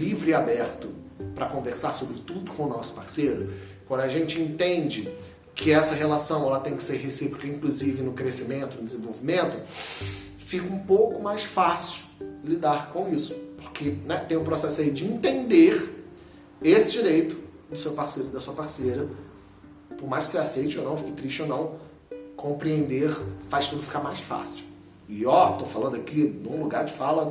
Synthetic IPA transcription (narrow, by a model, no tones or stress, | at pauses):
livɾɪabɛɾt̪ʊpɾɐkõveɾsaɾsobɾɪt̪ud̪ʊkõw̃ʊnɔsʊ̥paɾseɾʊ | kwɐ̃nd̪ʊaʒẽnt͡ʃɪẽnt̪ẽnd͡ʒɪ | kʰɪɛsɐɦelasɐ̃w̃ɛlɐt̪ẽj̃kɪ̥seɾɦesipɾukɐĩkluzivɪnʊkɾesimẽnt̪ʊnʊd͡ʒɪzẽvowvimẽnt̪ʊ | fikɐũpowkʊmajsfasi̥lid̪aɾkõw̃isʊ̥poɾkenɛt̪ẽj̃ʊ̃pɾosɛsʊaid͡ʒɪĩnt̪ẽnd̪eɾ | esɪd͡ʒiɾejt̪ʊ̥d̪ʊsewpaɾseɾʊd̪ɐsuɐpaɾsejɾɐ | pʊɾmajʃkɪ̥seasejt͡ʃɪownɐ̃w̃fikɪt̪ɾiʃt͡ʃownɐ̃w̃ | kʰõmpɾiẽnd̪eɾfajst̪ud̪ʊfi̥kaɾmajsfa̰siw | ɪɔt̪ofalɐ̃nd̪ʊakinũluɡaɾd͡ʒɪfalɐ